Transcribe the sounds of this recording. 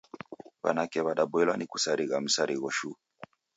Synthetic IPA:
βa̰nakɛβaɗaɓɛlwanikusaɾiɣam̩saɾiɣɔʃu

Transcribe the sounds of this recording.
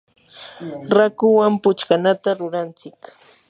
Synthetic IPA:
ɾakʊwampʊt͡ʃkanat̪aɾʊɾant͡sɪk

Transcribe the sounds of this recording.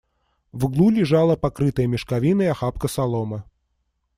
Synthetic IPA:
vɡlˠulʲɪʐalˠəpakɾɨt̪əjəmʲɪʂkavʲinəjaxapkəsalˠɔmə

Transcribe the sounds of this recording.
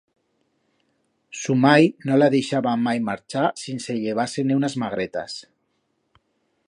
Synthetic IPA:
sumajnolaðeʃaβamajmaɾt͡ʃasinseʎeβ̞asenewnazmaɣ̞ɾet̪a̰s

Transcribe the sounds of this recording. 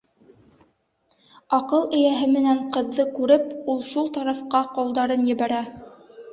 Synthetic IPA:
ɑqɤlˠɘ̆jæɦɘmɘ̆næɴqɤ̆ðːɤkʉɾɘpulˠʃulˠt̪ɑɾɑfqɑqŏlˠd̪ɑɾɤnjɘ̆βæɾæ

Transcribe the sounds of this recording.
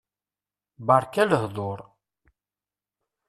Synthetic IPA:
bɑɾˤkæləhðˤoɾˤ

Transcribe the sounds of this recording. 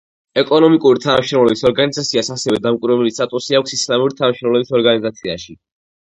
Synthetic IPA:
ɛkʼɔnɔmikʼuɾit̪ʰanamʃɾɔvlɛbisɔɾɡanizat̪sʰiasasɛvɛd̪amkʼuɾvɛblist̪ʼat̪ʼusiakʷʰsislamuɾit̪ʰanaʃɾɔvlɛbisɔɾɡanizat̪sʰiaʃi

